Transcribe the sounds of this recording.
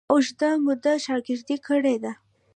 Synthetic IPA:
ʊʒd̪aŋɡʊd̪aʃɑɾɡɪɾd̪ikʰəɽed̪a

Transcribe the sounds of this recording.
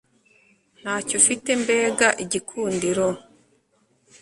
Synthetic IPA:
n̥haːcofite̞mbe̞ːɡaʔiɟikʰuːndiɾo

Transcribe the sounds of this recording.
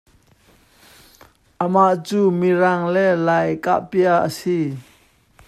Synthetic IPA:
ʔəmaʔt͡suːmiraŋlɛlajka̰ʔpiaʔə̰si

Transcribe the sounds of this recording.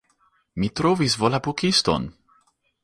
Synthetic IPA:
mitɾovisvolabukisto̰n

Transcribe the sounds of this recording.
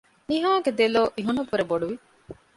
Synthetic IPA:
niɦaːɡed̪eloːʔiɦunɐkuɾeboɖuʋi

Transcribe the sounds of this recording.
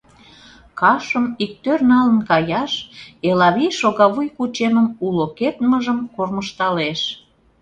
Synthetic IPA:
kɑʃəmik̚t̪ørnɑlənkɑjɑʃelɑβijʃoɣɑβujkut͡ɕeməmuloket̪məʒəmkorməʃt̪ɑleʃ

